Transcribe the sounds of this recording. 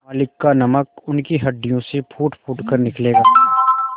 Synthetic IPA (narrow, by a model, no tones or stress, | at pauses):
aːlɪkːanɐməkʊnkiɦɐɖːijõsepʰuːʈpʰuːʈkɐɾnɪkleːɡaː